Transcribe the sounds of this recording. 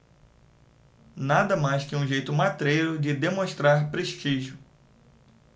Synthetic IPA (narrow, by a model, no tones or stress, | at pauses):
nad̪ɐmajskɪũʒejt̪ʊmat̪ɾejɾʊd͡ʒɪd̪emõʃt̪ɾaɾpɾeʃt͡ʃiʒjʊ